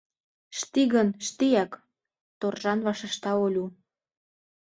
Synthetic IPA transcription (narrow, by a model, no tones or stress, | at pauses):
ʃt̪iɣənʃt̪ijæk | t̪orʒɑnβɑʃə̆ʃt̪ɑolʲu